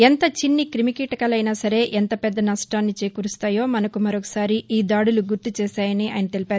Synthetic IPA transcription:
ent̪ɐt͡ʃinːikɾimikiːʈɐkɐlɐjnaːsɐɾe̞ːʔɛnt̪ɐpɛd̪ːɐnɐsʈaːnːit͡ʃe̞ːkuɾust̪aːjo̞ːmɐnɐkumɐɾɔːkɐ̥saːɾiiːd̪aːɽuluɡuɾt̪ut͡ʃɛːsaːjɐniʔa̰ːjɐnɐt̪e̞lipaːɾu

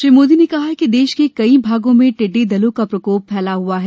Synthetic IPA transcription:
ʃɪmoːd̪inekɐɦaɦkid̪eːʃkekɐibʱaːɡõmẽʈɪɖːed̪ɐlõkapɾɐkoːpʰːɛːlaɦuaɦɛː

